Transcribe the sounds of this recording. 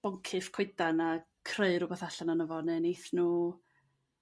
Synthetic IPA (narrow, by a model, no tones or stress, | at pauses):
b̥ɔŋkʰɨfkʰɪjdana | kʰreɨɾʊbaθaɬananəvɔnɛnejθnuː